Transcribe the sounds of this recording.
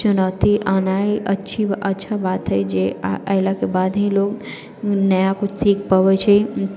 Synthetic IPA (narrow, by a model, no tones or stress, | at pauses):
t͡ʃʊnaːt̪iʔaːnaːiʔɐtːʃʰibʔətːʃʰabaːt̪ɦəjd͡ʒeəɪlakebaːd̪ɦĩloːɡ | nəjakosiːk̚ʰpaʋet͡ʃʰɛ